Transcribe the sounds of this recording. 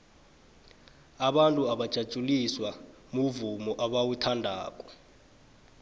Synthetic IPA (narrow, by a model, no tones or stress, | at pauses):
aɓantʼuaɓad̥ʒ̥ʱḁt͡ʃʼuliswa | muvumɔʔaɓawutʰandʱaːk̬ʼɔ̥